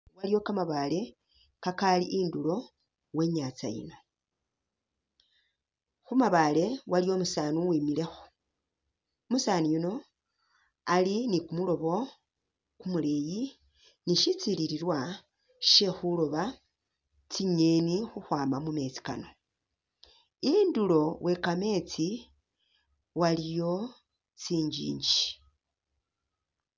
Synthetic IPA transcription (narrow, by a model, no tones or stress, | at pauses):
walijo̞kamaβale̞ | kakaliʔindulo̞ | we̞ːɲat͡sa̰jḭno̞ | xumaβale̞walijo̞musaːnuwiːmile̞xu̥ | musaːnijuno̞ | alinikumulo̞βo̞ | kumuleji | niʃit͡siliɾiɾwa | ʃe̞xulo̞βa | t͡siɲenixuxwaːmamume̞t͡si̥ka̰no̞ | indulo̞wʔe̞kame̞t͡si | walijo̞ | t͡siːɲd͡ʒḭːɲd͡ʒi